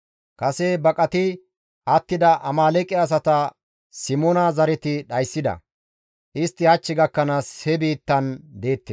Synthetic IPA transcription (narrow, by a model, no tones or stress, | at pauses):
kɐsebɐkʼɐt̪ɪ | ʔɐt̪ːɪd̪ɐʔɐmaːlɛkʼːɪɐs̬ɐt̪ɐ | sɪmoːnɐzɐɾɛt̪ɪɗɐjsːɪd̪ɐ̰ | ʔɪst̪ːɪhɐt͡ʃːɪɡɐkːɐnaːshɛbiːt̪ːɐnd̪e̞ːt̪ːes